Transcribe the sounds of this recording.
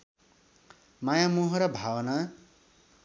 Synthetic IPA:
majamuɦʌɾʌbʱawʌna

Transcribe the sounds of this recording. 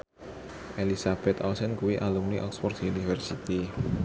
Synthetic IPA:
ʔelisab̥ɛt̪ɔlsɛnkuwiʔalumniʔɔksfɔrd̪̥iunifərsit̪i

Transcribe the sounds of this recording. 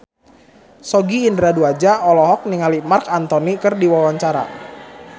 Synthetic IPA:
sɔɡiːndɾaduad͡ʒaʔɔlɔɦɔk̚niŋalimarkant̪ɔnikɨrdiwawaɲt͡ʃaɾa̰

